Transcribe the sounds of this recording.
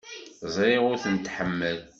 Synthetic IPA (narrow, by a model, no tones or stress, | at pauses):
zˤɾeʁʊɾθənt̪ħəmːəl